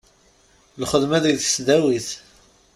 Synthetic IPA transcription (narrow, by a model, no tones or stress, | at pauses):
lχəðmæðiθsðæwiθ